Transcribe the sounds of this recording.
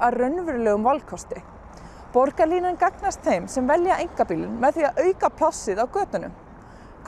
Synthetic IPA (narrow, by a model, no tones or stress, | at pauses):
arœɥnvʏɾlɛːɣʏmvalkʰɔst̪ɪ | pɔɾkaliːnankaknast̪θejmsɛmvɛljaʔejŋkapiːlʏnmɛðθiaʔœːɥkapʰlasːɪðawkœːt̪ʏnʏ̰m | k